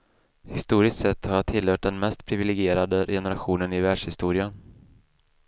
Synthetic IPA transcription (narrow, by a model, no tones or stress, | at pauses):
hɪst̪uːɾɪst̪sɛt̪ːhaʈʰɪlːhœːʈ̚d̪ɛnmɛst̪pʰɾɪvɪlɛɡɪeːɾad̪əjɛnəɾaɧuːnənɪvæːɖʂhɪst̪uːɾɪan